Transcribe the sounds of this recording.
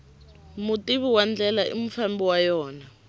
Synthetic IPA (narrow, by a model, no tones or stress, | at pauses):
mutiβiwand͡ɮɛlaʔḭm̩fambiwajɔːna